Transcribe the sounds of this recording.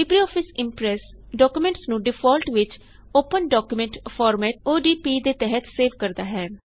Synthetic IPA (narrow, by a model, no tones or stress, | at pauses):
ɪbɾiːɔːpʰɪsɪmpɾɛs | ɖɔːkumẽɳʈsnũːɖɪfʰɔːlʈʋɪt͡ʃ | oːpənɖɔːkjumẽɳʈfʰɔːɾmɛːʈ̚oːɖiːpiːd̪eːt̪ɛɦət̪seːʋkəɾd̪aːɦɛː